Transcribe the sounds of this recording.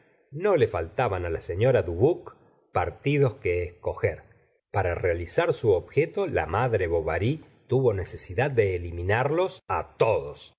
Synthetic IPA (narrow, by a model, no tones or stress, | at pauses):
no̞le̞falt̪aβanalaseɲo̞ɾaðuβuk | paɾt̪ið̞o̞skeːsko̞xeɾ | paɾarealisaɾsuoβxet̪o̞la̰maðɾe̞βo̞βaɾi | t̪uβo̞ne̞se̞siðad̪̚ːe̞ːliminaɾlo̞sa̰t̪o̞ðos